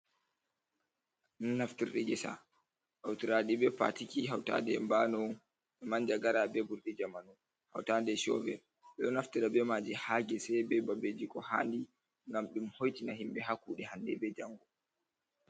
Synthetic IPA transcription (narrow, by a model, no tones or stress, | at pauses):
nunːaftiɾɗid͡ʒɛsa̰ | ʔawtiɾaɗibɛpa̰tikiɦawta̰dɛmbanɔn | ɓɛmaɲd͡ʒaɡaɾabɛbuɾɗid͡ʒamanɔ | ha̰wtadɛʃɔ̰vɛ | ɓɛɗɔnaftiɾabɛmad͡ʒihaːɡɛsɛjbɛbabed͡ʒikɔha̰ːndi | ŋɡamɗumhojtinahimbɛɦakːuɗɛhandɛbɛd͡ʒaŋɡɔ